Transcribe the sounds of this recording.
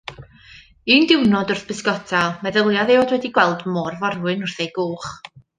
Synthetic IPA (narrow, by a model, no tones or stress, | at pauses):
iːndɪwnɔdʊrθb̥ɨsɡɔtʰalˠmɛðəlˠjaðeɔdwɛdiɡwɛlˠdmɔːrvɔrwɨnʊrθejɡ̥uːχ